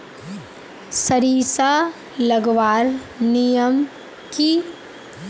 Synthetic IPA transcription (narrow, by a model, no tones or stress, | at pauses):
sɐɾiːsa | lɐɡʋaːɾ | nijəm | ki